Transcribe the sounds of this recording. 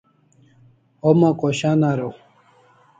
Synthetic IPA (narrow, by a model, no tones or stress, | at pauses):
omakoɕanaɾow